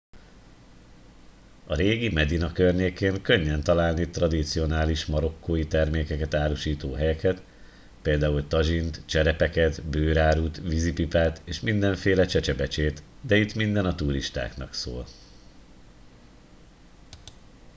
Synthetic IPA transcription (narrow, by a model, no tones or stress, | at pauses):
ɒɾeːɡimɛd̪inɒkørɲeːkeːŋkø̞ɲːɛnt̪ɒlaːlnit̪rɒd̪it̪sijo̞naːliʃmɒɾo̞kʰːoːjit̪ɛrmeːkɛkɛt̪aːɾuʃiːt̪oːɦɛjɛkʰɛt̪ | peːld̪aːult̪ɒʒint̪t͡ʃɛɾɛpɛkɛt̪bøːɾaːɾut̪vizipipaːt̪eːʃmind̪ɛɱfeːlɛt͡ʃɛt͡ʃɛbɛt͡ʃeːt̪d̪ɛit̪mind̪ɛnɒt̪uɾiʃt̪a̰ːknɒ̰kso̰ːl